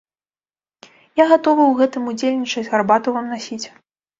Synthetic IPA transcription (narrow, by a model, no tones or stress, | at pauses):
jaɣat̪ɔvɨwɣɛt̪ɨmud͡zʲelʲnʲit͡ʂɐd͡zʲɣarbat̪uvamnasʲit͡sʲ